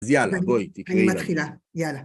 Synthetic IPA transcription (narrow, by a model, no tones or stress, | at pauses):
zjalaabojt̪ikaimatχilajala